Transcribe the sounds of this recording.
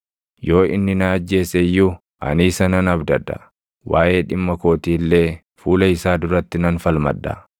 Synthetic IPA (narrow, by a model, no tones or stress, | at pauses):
jo̞ːɪ̰nːɪnɐːd͡ʒːe̞ːsɛjːu | ʔɐ̰niːsɐnɐnɐbd̪ɐd̪ɐ̰ | waːʔe̞ːᶑɪmːɐko̞ːt̪iːlːe̞ː | fuːlɐɪsaːd̪ʊɾɐt̪ːɪnɐnfɐlmɐ̰d̪ːɐ̰